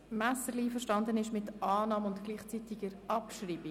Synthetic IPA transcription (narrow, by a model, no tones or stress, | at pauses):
mæsəɾliiːfəɾʃtɑnd̪ənɪʃmɪtʔɑːnɑːmʊntɡ̥liːχt͡sit̪ɪɡəɾɑpʃɾiːbi